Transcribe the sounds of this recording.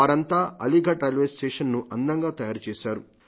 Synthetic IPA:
aːɾɐnt̪aːɐ̰liɡɐʈɾɐjlʋesʈeːʂɐnːuʔɐnd̪ɐŋɡaːt̪ɐjaːɾut͡ʃeːʃaːɾu

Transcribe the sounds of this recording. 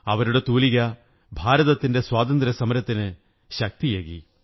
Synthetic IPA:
ɐʋɐɾuɽe̞t̪uːliɣɐ | bʱaːɾɐðɐt̪ːinde̞swaːt̪ɐnd̪ɾɐsɐmɐɾɐt̪ːinɨ | ɕɐk̚t̪ijeːɣḭ

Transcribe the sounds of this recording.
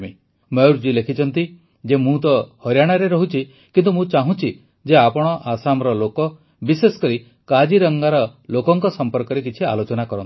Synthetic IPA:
mi | mɔuɾd͡ʒilekʰit͡ʃʰɔnt̪i | d͡ʒemũt̪ɔhɔɾjaɽ̃aɾeɾɔɦut͡ʃʰi | kint̪umũt͡ʃaɦũt͡ʃʰi | d͡ʒeapɔɽ̃ɔʔasamɔɾɔlokɔ | bisesɔ̥kɔɾi | kad͡ʒiɾɔŋɡaɾɔlokɔŋkɔsɔmpɔɾkɔɾekit͡ʃʰia̰lot͡ʃɔnakɔɾɔnt̪i

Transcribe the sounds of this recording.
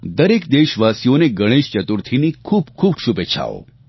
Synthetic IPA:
d̪əɾekd̪eʃʋasijoneɡəɽ̃eʃt͡ʃət̪uɾt̪ʰinikʰuːbkʰuːbʃubet͡ʃʰa̰o̰

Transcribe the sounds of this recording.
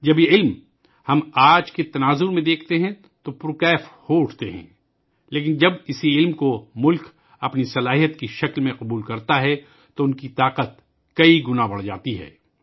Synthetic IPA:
d͡ʒɐbjeɪlm | hɐmaːd͡ʒket̪ɐnaːzʊɾmẽd̪eːkʰt̪eɦɛ̃ | t̪opɾuːkɛːfhoʊʈʰt̪eɦɛ̰̃ː | leːk̬ɪnd͡ʒɐbɪsiɪlmkomʊlk | ɐpnisɐlaːɦijət̪kiʃɐklmẽqʊbuːlkɐɾt̪aɦɛ | t̪oʊnkit̪aːqət̪ | kɐiɡʊnabɐɽd͡ʒa̰ːt̪iɦɛ̰ː

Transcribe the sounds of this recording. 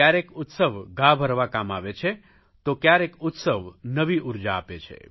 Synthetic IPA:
jaɾekʊt̪səʋɡãbʱəɾʋakamaʋet͡ʃʰe | t̪okjaɾekʊt̪səʋnəʋiʔuɾd͡ʒaːpet͡ʃʰḛ

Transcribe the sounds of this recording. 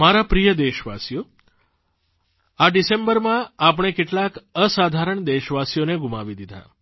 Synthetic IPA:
maɾapɾijəd̪eʃʋasjo | aɖisẽmbəɾmãapəɳ̃ekeʈlakəsad̪ʱaɾəɳd̪eʃʋasjoneɡumaʋid̪id̪ʱa̰

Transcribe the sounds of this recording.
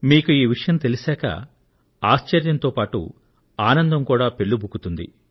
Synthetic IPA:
miːkuiːʋiʂɐjɐmt̪e̞lisɛːkɐ̰ | aːʃt͡ʃɐɾjɐnt̪oːpaːʈṵ | aːnɐnd̪ɐmkuːɽaːpe̞ɭːubʱukut̪und̪ḭ

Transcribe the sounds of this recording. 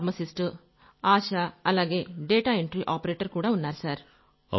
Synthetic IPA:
ɾmɐsɪsʈɨ | aːʃaːɐlːaːɡeːɖeːʈaːɪɳʈɾiʔaːpɐɾeːʈːɐɾkuːɽɐʊnːaːɾsaːɾ | ɐ̰

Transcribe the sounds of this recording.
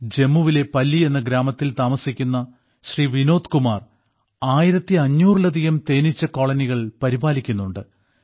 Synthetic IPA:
d͡ʑe̞mːuʋile̞pɐlːie̞nːɐɡɾaːmɐt̪ːilt̪aːmɐsikʲːunːɐ | ɕriːʋino̞ːd̪kumaːr | aːjiɾɐt̪ːiɐɲːuːrɭɐd̪ʱijɐmt̪e̞ːnit͡ɕːɐko̞ːɭɐniɣɐɭpɐɾibaːlikʲːunːuɳɖɨ

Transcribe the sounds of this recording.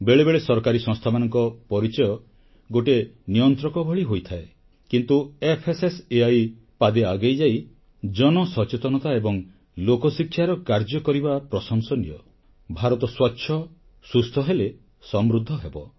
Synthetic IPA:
beɭebeɭesɔɾɔkaɾisɔ̃ŋst̪ʰamanɔŋkɔpɔɾit͡ʃɔjɔ | ɡoʈenijɔnt̪ɾɔkɔbʱɔɭiɦojt̪ʰae | kint̪uepʰeseseaj | pad̪eaɡejd͡ʒaj | d͡ʒɔnɔsɔt͡ʃet̪ɔnɔt̪aebɔŋ | lokɔsikʰjaɾɔkaɾd͡ʒɔkɔɾibapɾɔsɔŋsɔnijɔ̰ | bʱaɾɔt̪ɔswɔtːʃʰɔ | sust̪ʰɔɦele | sɔmɾud̪ʱːɔɦebɔ

